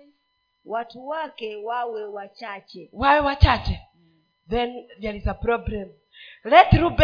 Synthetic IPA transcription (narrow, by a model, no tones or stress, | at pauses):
watwakewawewat͡ʃat͡ʃɛwawɛwat͡ʃat͡ʃɛ | ðɛndalisapɾɔbɾɛm | lɛt̪ɾub